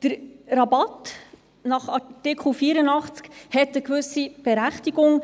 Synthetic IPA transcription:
d̥əɾrɑbɑt | nɑχɑtɪkχl̩fiːɾənɑχt͡skhɛtəkvɵsib̥ɛɾæχtiɡʊŋ

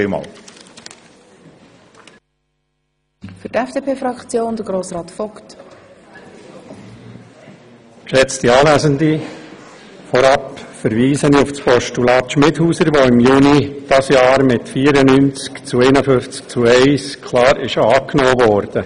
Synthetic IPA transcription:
mɑ̰ːl | fʏtɛfd̥eːpʰeːfɾɑkt͡sjoːnd̥̪əɡ̥ɾoːsɾɑːt̪fɔkt | kʃɛt͡st̪iɑːvæzəndi | fɔɾɑpfəɾʋiːsəniʊfspʰɔʃtulɑːt̪ʃmɪthuːsəɾʋɔɪmjuːnid̥ɑsjɑːɾmɪtfiːəɾənynt͡skt͡suɛɪnəfʏnft͡sk̚t͡suɛɪskʰlɑːɾɪʃɑːknoːʋɔːɾd̥ə

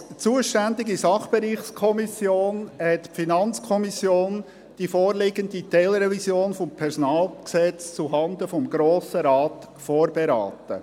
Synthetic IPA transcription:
t͡suəʃtænd̪ɪɡisɑχb̥eɾiːχskʰɔmisjoːnhɛtpfinɑnt͡skʰɔmisjoːn | d̥ifoːɾlɪɡənd̪it̪ɛlɾɛvisjoːnfɔmpʰɛɾsɔnɑːlˠksɛt͡st͡suɦɑnd̪əfɔmɡɾoːsəɾɑːt̪ | foːɾbeɾa̰ːt̪ə̰

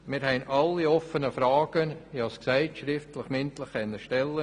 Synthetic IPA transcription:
mɪːɾhɛɪnʔɑlːiɔfənəfɾɑːɡ̥əniɑsksæɪtʃɾɪftlɪχmɪnt̪lɪχɛnːəʃtɛlːə

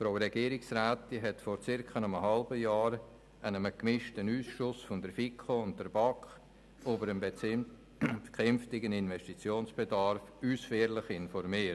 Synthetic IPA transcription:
fɾoʊɾɛɡ̥iəɾɪksɾaːt̪ːiɦɛtfɔɾt͡sɪɾkənəməɦɑlbəjaːɾ | anəməkmɪʃtənyːsʃʊsfʊndəɾfikʰχoʊnt̚dəɾbɑkχ | obəɾəm | kχɛmftɪɡənɪnvɛʃtit͡sjoːnsb̥edɑɾfyːsfeːɾlɪχɪnfɔɾmiː

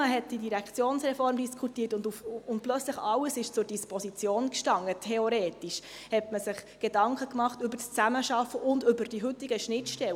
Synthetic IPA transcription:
əɦɛt̚d̥idiɾækʰt͡sjoːnsrɛfɔɾmdiskʰutiːtʊndufʊnt̚plœt͡sləχɑləsɪʃt͡sʊɾd̥ispɔsit͡sjoːnkʃtɑŋːətʰɛoɾeːtiʃ | hɛtməsɪχɡ̥edɑŋkχəkmɑχtʏbəɾst͡sæməʃɑfəʔʊndʏbəɾd̥iɦʏtːiɡəʃnɪtʃtɛl

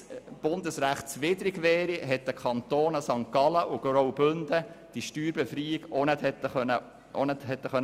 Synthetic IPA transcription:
b̥ʊnd̪əsɾæχtt͡sʋɪdɾiɡʋɛːɾiɦɛt̪̚d̪əkʰχɑnt̪oːnəsɑŋkɑləʔʊɡ̥ɾowbʏnd̪əd̥iʃtyːɾbɛfɾiːiɡonɛthɛt̪ːənə | onɛt̪hɛt̪ːəχœn

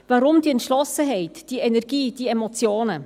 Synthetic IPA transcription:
vɑɾʊmd̥iɛntʃlɔsəɦɛɪtd̥iɛnɛɾɡ̥iːd̥iɛmɔt͡sjoːnə

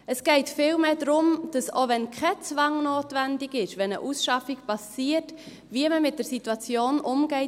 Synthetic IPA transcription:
əsɡ̥ɛɪtfɪːlmeːdɾʊmd̥ɑso̰vɛnkʰɛt͡svɑŋnoːtvɛndɪɡɪʃʋɛnəʔusʃɑfɪkpɑsiːət | viəməmɪt̚d̥əɾsitwɑt͡sjoːnʔʊmɡɛɪ

